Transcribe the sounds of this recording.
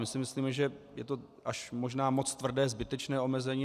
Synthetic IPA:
mɪsɪmɪsliːmɛʒɛjɛt̪o̞ | ʔaʃmo̞ʒnaːmo̞t͡st̪vr̩dɛːzbɪt̪ɛt͡ʃnɛːo̞mɛzɛɲiː

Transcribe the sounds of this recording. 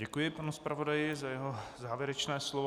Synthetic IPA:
ɟɛkujɪpanuspɾʔavo̞dajɪzajɛɦozaːvjɛɾɛt͡ʃnɛːslov

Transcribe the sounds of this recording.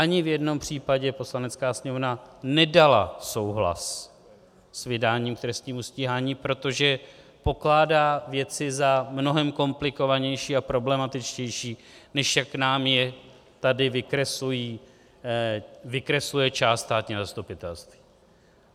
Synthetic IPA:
ʔaɲɪvjɛdno̞mpr̝̥iːpaɟɛpo̞slanɛt͡skaːsɲɛmovnanɛdala̰so̞wɦla̰s | svɪdaːɲiːmkt̪ɾɛst̪ɲiːmusciːɦaːɲiːpɾo̞t̪o̞ʒɛ | po̞klaːdaːvjɛt͡sɪzamno̞ɦɛmko̞mplɪko̞vaɲɛjʃiːapɾo̞blɛmat̪ɪt͡ʃcɛjʃiːnɛʃjakːnaːmjɛ | t̪adɪvɪkɾɛsujiː | vɪkɾɛslujɛt͡ʃaːst̪st̪aːt̪ɲiːzast̪upɪt̪ɛlst̪vi̥ː

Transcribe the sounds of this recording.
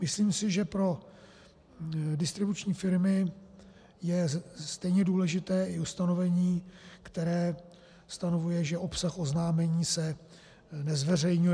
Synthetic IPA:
mɪsliːmsɪʒɛpɾo̞ | dɪst̪ɾɪbut͡ʃɲiːfɪɾmɪ | jɛst̪ɛjɲɛduːlɛʒɪt̪ɛːɪust̪ano̞vɛɲiːkt̪ɛɾɛː | st̪ano̞vujɛʒɛʔo̞psaxo̞znaːmɛɲiːsɛ | nɛzvɛrɛjɲuj

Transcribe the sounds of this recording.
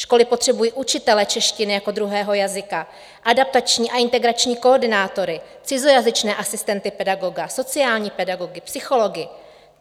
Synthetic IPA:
ʃko̞lɪpo̞t̪r̝̥ɛbujiːʔut͡ʃɪt̪ɛlɛt͡ʃɛʃcɪnɪjako̞d̪ɾuɦɛːɦo̞jazɪka | ʔadap̚t̪at͡ʃɲiːʔaʔɪnt̪ɛɡɾat͡ʃɲiːkoːrdɪnaːt̪o̞ɾɪ | t͡sɪzo̞jazɪt͡ʃnɛːʔasɪst̪ɛnt̪ɪpɛdaɡo̞ɡaso̞t͡sɪaːlɲiːpɛdaɡo̞ɡɪpsɪxo̞lo̞ɡɪ

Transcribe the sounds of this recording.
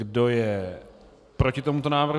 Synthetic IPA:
do̞jɛ | pɾocɪt̪o̞mut̪o̞naːvr̩

